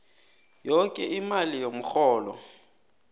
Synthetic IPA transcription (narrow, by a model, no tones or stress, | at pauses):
jɔkʼɛimalijom̩xɔːlɔ̰